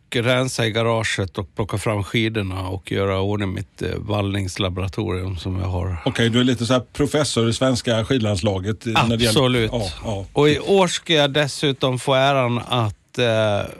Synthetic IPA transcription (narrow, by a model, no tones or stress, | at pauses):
kɾɛnsaɪɡaɾɑːʂət̪ɔk̚pʰlɔkːafɾamːɧiːd̪əɳaɔkʰjœːɾaoːnɪmɪ̰t̪valnɪŋslabʊɾat̪ʰṵːɾɪɵmsɔmjɑ̰ɦa̰ɾɔkʰɛjd̪ɵæɭiːt̪əsɔæːɾpʰɾʊfɛsːʊɾɪsvɛnskaɧiːd̪lanslɑːɡət̪anæɖɛjɛsɔlʉ̟ːt̪ɑɑɔɪʔoːʂkajad̪ɛsʉ̟ːt̪ɔmfoːæːɾanat̪